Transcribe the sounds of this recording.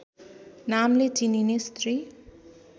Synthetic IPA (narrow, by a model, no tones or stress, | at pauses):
namletininest̪ri